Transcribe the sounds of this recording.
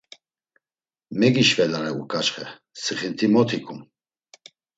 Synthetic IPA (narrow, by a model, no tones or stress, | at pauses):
mɛɡiʃvɛlanɛukʰʼat͡ʃχɛ | sɨχint̪ʰimɔt̪ʰikʰʼum